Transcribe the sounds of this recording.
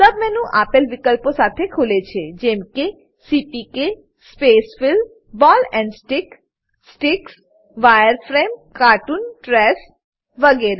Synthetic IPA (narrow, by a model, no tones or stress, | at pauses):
səbmenũʔapelʋikəlposat̪ʰekʰulet͡ʃʰed͡ʒemke | sipike | spesfɪl | bɔlɛ̃ɳɖsʈɪk | ssʈɪks | ʋajəɾfʰɾemkaʈunʈɾɛs | ʋəɡeɾe